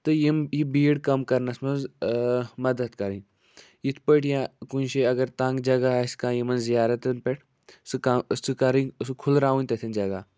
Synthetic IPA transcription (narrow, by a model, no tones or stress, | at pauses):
t̪ɨjimjibiːɽkɐmkɐɾnɐsmɐnz | mɐd̪ɐd̪kɐɾi | jit̪ʰpəʈjãkunʃeɐɡɐɾt̪ãːŋɡd͡ʒɐɡaskãːjimɐnzzijaːɾɐt̪ɐnpeʈʰ | sɨkaskɐɾiskʰʊlɾaːũnʲt̪ɐt̪ʰind͡ʒɐɡaː